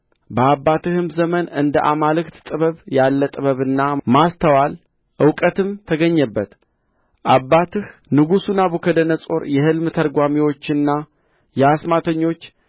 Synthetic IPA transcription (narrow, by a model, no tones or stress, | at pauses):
bəabːat̪ɨhɨmzəmənɨnd̪əʔamalɨkt̪t̪ʼɨβəβjalːət̪ʼɨβəβɨnːamast̪ʰəwal | ʔɨwkʼət̪ʰɨmt̪ʰəɡəɲːəbːət̪ | ʔabːat̪ʰɨhnɨɡusunabukʰəd̪ənəsʼo̞ɾjɛhɨlmt̪ʰəɾɡʷamiwo̞t͡ʃːɨnːa | jɛasmat̪ʰəɲːo̞t͡ʃː